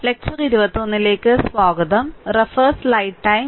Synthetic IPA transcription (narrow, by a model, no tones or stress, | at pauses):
lek̚t͡ɕɐriɾuʋɐt̪ːonːile̞ːkːɨsʋaːɡɐðɐmrefɐrslɐjʈʈːɐj